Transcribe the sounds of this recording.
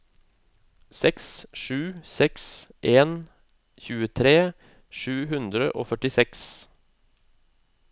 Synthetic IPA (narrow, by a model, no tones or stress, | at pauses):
sɛksʃʉːsɛksʔeːn | çʉːət̪ʰɾeː | ʃʉːhʉnd̪ɾəʔo̰ːfœʈɪsɛks